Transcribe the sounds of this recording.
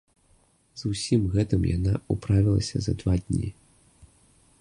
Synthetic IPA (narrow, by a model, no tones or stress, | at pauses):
zusʲimɣɛt̪ɨmja̰naupɾavʲilˠɐ̰sʲɐzɐd̪vad̪ʲnʲḭ